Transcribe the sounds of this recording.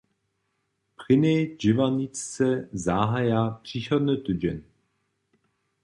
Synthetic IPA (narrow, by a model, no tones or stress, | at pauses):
pχɪneːd͡ʑɪvanit͡st͡sɛzaːɦajapr̥iɕɔd̪nət̪ɵd͡ʑɛn